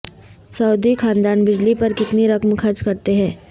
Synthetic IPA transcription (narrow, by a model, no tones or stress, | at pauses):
sɐːd̪ixʰaːnd̪aːnbɪd͡ʒlipɐɾkɪt̪niɾɐkmkʰɐɾt͡ʃkɐɾt̪eɦɛ̃ː